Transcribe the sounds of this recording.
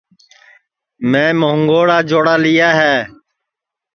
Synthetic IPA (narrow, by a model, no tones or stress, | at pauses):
mɛ̃ːməɦəŋɡoːɽaːd͡ʒoːɽaːlɪjaːɦɛː